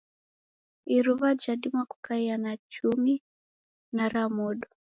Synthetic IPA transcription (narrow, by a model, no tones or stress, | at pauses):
iɾuβad͡ʒaɗimwaku̥kaianat͡ʃumi | naɾamɔɗɔ